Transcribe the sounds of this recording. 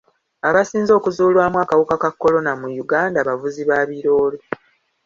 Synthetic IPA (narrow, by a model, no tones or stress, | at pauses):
aβasiːnzo̞ːkuzuːlwaːmwaːkawukakakːo̞lo̞namujuɡaːndaβavuziβaːβiɾo̞ːlo